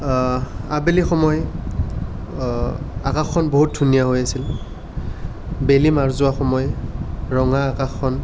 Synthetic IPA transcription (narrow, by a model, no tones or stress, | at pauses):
abelixɔmɔj | akaxːɔnboɦut̚dʱunijaɦojasil | belimaɹzʊaxɔmɔjɹɔŋaːkaxʰɔn